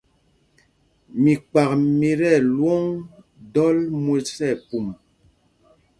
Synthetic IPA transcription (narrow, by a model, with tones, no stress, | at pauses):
mi˨k͡pa˨k̚mi˨ɾɛ˦˨lwɔ˦ŋ | dɔ˦lmwe˦sɛ˦˨pu˨m